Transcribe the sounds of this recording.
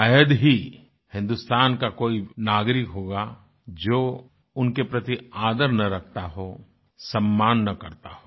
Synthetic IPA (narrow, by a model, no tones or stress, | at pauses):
əjəd̪ɦi | hɪ̃nd̪ʊst̪aːnkakoːinaːɡɾɪkɦoːɡa | d͡ʒoː | ʊnkepɾɐt̪iaːd̪əɾnɐɾɐkʰt̪aɦo | sɐmːaːnːɐkɐɾt̪a̰ɦoː